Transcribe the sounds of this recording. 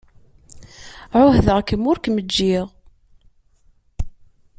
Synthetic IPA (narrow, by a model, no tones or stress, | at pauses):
ʕʊhðəʁkəmːʊɾkməd͡ʒːiʁ